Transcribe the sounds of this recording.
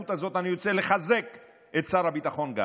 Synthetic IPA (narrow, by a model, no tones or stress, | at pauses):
ut̪azo̞t̪anijo̞t͡se̞leχaze̞k | et̪saɾhabit̪aχo̞nɡa̰